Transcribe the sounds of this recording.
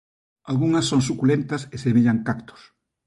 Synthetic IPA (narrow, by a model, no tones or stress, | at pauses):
alɣuŋɐsːoŋsukulent̪ɐsesemeʎɐŋkakt̪ʊ̥s